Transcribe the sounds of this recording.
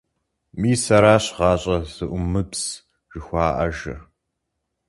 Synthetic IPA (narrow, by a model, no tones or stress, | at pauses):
miːsɐɾaːɕʁɑːɕʼɐz̥ɨʔʷʊmɨbs | ʒ̥ɨxʷɑːʔɐ̰ʒɐ̰